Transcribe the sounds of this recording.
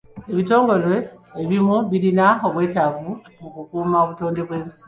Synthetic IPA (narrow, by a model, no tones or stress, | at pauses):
e̞βito̞ːŋɡo̞lwe̞ːβimuβiɾinaoβwe̞ːtavumukukuːmaoβuto̞ːnde̞βwe̞ːnsi̥